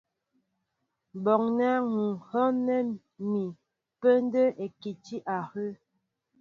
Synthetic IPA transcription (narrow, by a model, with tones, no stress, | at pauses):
bɔ˨ŋnɛ˦ŋu˨ŋhɔ˦nɛ˦ | mi˨ | pə˦n˦də˦ʔe˨ki˨ti˦ʔa˨hə˦